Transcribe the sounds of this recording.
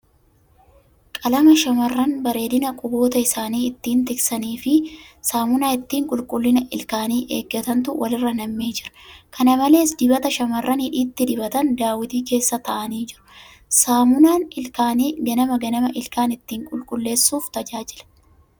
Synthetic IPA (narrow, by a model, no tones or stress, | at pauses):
kʼɐlɐmɐʃɐmɐrːɐnbɐɾe̞ːd̪ɪnɐkʼʊbo̞ːt̪ɐɪsaːniːɪt̪ːiːnt̪ɪksɐniːfɪsaːmʊnaːɪt̪ːiːŋkʼʊlkʼʊlːɪnɐʔɪ̰lkaːniːʔeːɡːɐt̪ɐnt̪ʊwɐlɪrːɐnɐmːeːd͡ʒɪɾɐ̥kʰɐnɐmɐle̞ːsd̪ɪbɐt̪ɐʃɐmɐrːɐnhɪᶑiːt̪ːɪd̪ɪbɐt̪ɐnd̪aːwɪt̪iːke̞ːsːɐt̪ɐʔɐniːd͡ʒɪɾʊ̥ | saːmʊnaːnɪlkaːniːɡɐnɐmɐɡɐnɐmɐʔɪlkaːnɪt̪ːiːŋkʼʊlkʼʊlːe̞ːsːuːft̪ɐd͡ʒaːd͡ʒɪlɐ̥